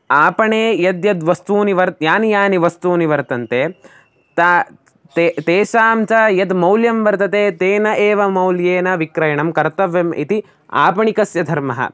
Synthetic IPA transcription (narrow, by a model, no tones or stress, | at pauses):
aːpɐɳeːjɐd̪jɐd̪ʋɐst̪uːniʋɐɾt̪̚jaːnijaːniʋɐst̪uːniʋɐɾt̪ɐnt̪e | t̪a | t̪et̪eːʃaːmt͡ʃajɐd̪mɐwljɐmʋɐɾt̪ɐt̪eːt̪eːnɐʔeːʋɐmɐwljeːnɐʋikɾɐjɐɳɐmkɐɾt̪ɐʋjɐmḭt̪i | a̰ːpɐɳikɐsjɐd̪ʱɐɾmɐɦɐ̰